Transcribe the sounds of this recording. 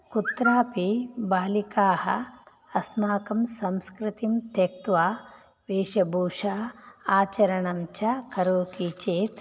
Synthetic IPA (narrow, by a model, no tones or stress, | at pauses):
kut̪ɾaːpibaːlikaːhɐ̰ | ɐsmaːkɐmsɐmskɾɪt̪imt̪ɐk̚t̪ʋaː | ʋeːʃɐbʱuːʂaːaːt͡ʃɐɾɐɳɐmt͡ʃɐkɐɾoːt̪iːt͡ʃeːt̪